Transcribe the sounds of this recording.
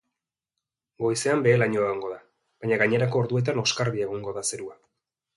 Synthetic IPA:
ɡo̞jse̞ambe̞ːlaɲo̞eɣaŋɡo̞ða | βb̥aɲaɣaɲe̞ɾako̞ːɾðue̞t̪̬ano̞skaɾβieɣ̞oŋɡo̞ðase̞ɾua

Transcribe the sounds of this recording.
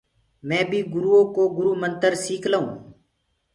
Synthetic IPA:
mɛ̃ːbʱiːɡʊɾuːõːkoːɡʊɾuːmənt̪əɾsiːkʰlaːũː

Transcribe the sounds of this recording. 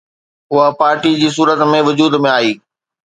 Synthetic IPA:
ɦʊɦapaːɾʈid͡ʑiːs̬uːɾət̪mẽʋʊd͡ʑuːd̪mẽaːiː

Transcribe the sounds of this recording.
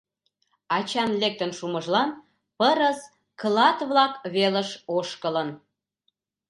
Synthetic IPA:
ɑt͡ɕɑnlek̚t̪ənʃuməʒlɑn | pəɾəs | klɑt̪βlɑkβeləʃoʃkələn

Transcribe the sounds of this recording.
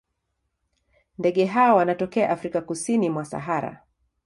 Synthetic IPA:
ndɛɠɛɦaɔwanatɔkɛaʔafɾikakusinimwasa̰ɦaɾa̰

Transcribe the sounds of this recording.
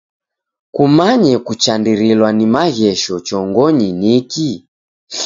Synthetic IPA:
kumaɲɛkut͡ʃandiɾilwanimaɣɛʃɔt͡ʃɔŋɡɔɲiniki

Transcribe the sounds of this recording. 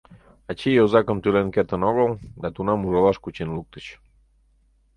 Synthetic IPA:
ɑt͡ɕijozɑkəmt̪ylenket̪ənoɣəlˠd̪ɑt̪unɑmuʒɑlɑʃkut͡ɕenluk̚t̪ə̥t͡ɕ

